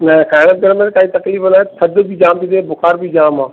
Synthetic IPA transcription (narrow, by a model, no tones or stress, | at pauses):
nɐ̃kʰaːɦɽ̃ət̪̚ɡɐɾmẽkaːĩt̪ɐkliːfənaːt̪ʰɐd̪bʱid͡ʒaːmt̪id̪eːbʊxaːɾbʱid͡ʒaːmãː